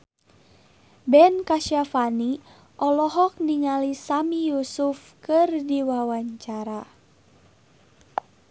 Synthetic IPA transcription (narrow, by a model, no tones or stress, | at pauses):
bɛnkaʃiafani | ʔɔlɔɦɔk̚niŋalisamijusuf | kɨrdiwawaɲt͡ʃaɾa